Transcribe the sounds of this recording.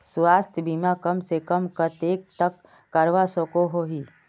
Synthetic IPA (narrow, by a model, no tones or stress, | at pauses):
swaːst̪ʰjəbiːmakɐmsekɐmkɐt̪eːk̚t̪əkː | ɐɾʋasokoɦoɦiː